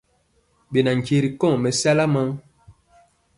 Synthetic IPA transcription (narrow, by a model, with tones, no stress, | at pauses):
ɓe˨na˨ŋ̩˨ke˨ɾi˨kɔ̃˦˨mɛ˨sɛ˦la˦ma˦